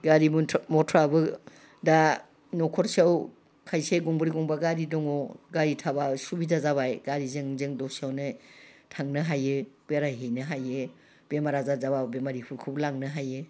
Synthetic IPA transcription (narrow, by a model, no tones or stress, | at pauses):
ɡaɾimʰmɔtʰɔɾabɯ | da | nɔkʰɔɾsiaw | kʰajseɡɔŋbɯɾiɡɔŋbaɡaɾidɔŋɔɡaɾitʰabasubizazaβajɡaɾizɯŋzɯŋdɔsiawnɯtʰaŋnɯɦajeb̥eɾajɦejnɯɦaje | b̥emaɾazazababemaɾihuɾkʰɯblaŋnɯɦaje